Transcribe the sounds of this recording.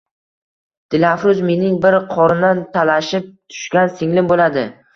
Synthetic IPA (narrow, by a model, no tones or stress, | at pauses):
d̪̥ɪlafɾʊzme̞nɪŋbɪɾqʰɒɾɪnd̪ant̪ʰalaʃɪp̚t̪ʰʊ̥ʃkʲansɪŋlɪmbolad̪ɪ